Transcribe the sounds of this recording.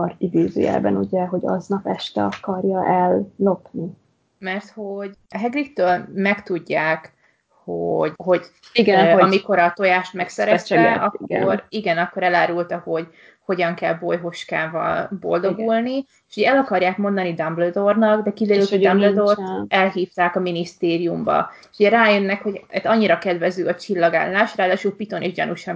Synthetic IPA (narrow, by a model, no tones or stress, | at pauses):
orid̪eːzø̰ːjɛ̰lbɛ̰nuɟɛɦo̞ɟɒ̰znɒpɛʃt̪ɛ̰ɒkɒrjɒʔɛlːo̞pni | mɛrt̪ho̞ɟɒɦɛɡrikt̪øːlmɛkt̪uɟːaːk | hoɟho̞ɟ | iɡmiko̞ɾɒt̪ojaːʃt̪mɛksɛɾɛsɒiɡoɾiɡɛnɒkːo̞ɾɛlaːɾult̪ɒho̞ɟ | ho̞ɟɒŋkɛlbojɦo̞ʃkaːvɒ̰lbo̞̰ld̪o̞ɡulni | eʃuɟɛɛlɒkɒrjaːkmo̞nd̪ɒnid̪ɒmblød̪o̞rnɒɡd̪ɛkid̪ɛɾylt̪ɔdɒmblød̪ort̪ɛlɦiːft̪aːkɒminist̪eːɾijumbɒ̰eʃuɟɛɾaːjønːɛkho̞ɟɛt̪ːɒɲːiɾɒkɛd̪vɛzyːɒt͡ʃilːɒɡa̰ːlːaːʃraːd̪aːʃulpit̪o̞neːʒɟɒ̰nuʃɒ